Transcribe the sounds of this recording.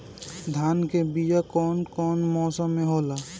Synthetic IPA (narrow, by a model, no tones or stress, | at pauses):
d̪ʱaːnkebijakɔːnkɔːnmɔːsɔ̃mẽɦola